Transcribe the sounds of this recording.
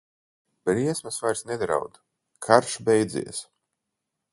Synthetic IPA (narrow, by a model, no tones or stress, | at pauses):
b̥ɾiɛsmɨsvajɾsnɛd̪ɾa̰wd̪ | kʰaɾʃbʲɛjd̪zḭːɛs